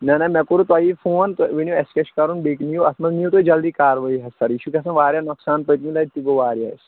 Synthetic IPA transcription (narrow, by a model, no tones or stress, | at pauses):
nɐnɐmɛkuɾut̪aifoːnt̪ʋinijoɛskɛʃkɐɾunbeːknijoɐsmɐzmijut̪oid͡ʒɐld̪iːkaːɾʋɐiɦɐsɐɾjiʃukʲɐsɐ̃ʋaːɾjaːnɔksaːnpəjt̪milɐit̪iɡoʋaːɾja̰ːs